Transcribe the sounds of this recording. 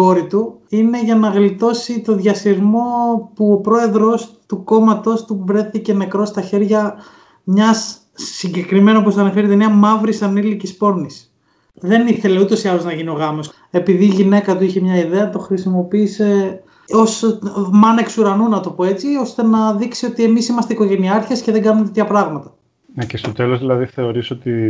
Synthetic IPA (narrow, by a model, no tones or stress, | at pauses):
o̞ɾit̪uine̞ʝɐnɐɣlit̪o̞sit̪o̞ðʝɐsiɾmo̞puopɾo̞e̞ðɾo̞st̪uko̞mɐt̪o̞st̪uvɾe̞θice̞ne̞kɾo̞st̪ɐçe̞ɾʝɐ | mɲɐsː | iɲɟe̞kɾime̞nop̬ost̪ɐnɐfe̞ɾit̪emniɐmɐvɾisɐnilicispo̞ɾnis | ðe̞niθe̞le̞ut̪o̞siɐlo̞znɐʝinio̞ɣɐmos | e̞piðiːʝine̞kɐt̪uiçe̞mɲɐiðe̞ɐt̪o̞xɾisimo̞piːse̞ | o̞smɐne̞ksuɾɐnunɐt̪opoe̞t͡sio̞st̪e̞nɐðiksio̞t̪ie̞misimɐst̪eiko̞ʝe̞niɐɾçesce̞ðeɡɐnumet̪t̪ʰçɐpɾɐɣmɐt̪ɐ̥ | necest̪o̞t̪e̞lo̞zðilɐðiθe̞o̞ɾiso̞t̪i